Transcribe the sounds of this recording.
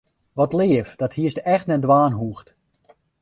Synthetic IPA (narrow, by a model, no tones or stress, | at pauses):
ʋɔtlɪəfdɔthiəstɛxtnɛdʋaːnɦuəxt